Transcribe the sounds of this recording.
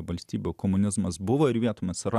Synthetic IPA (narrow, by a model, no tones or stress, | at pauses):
ʋɐlʲsʲt̪ʲiːbʲukoːmʊnʲɪzmɐsbʊʋoːɪɾʋʲiɛt̪oːmʲɐsɾɑ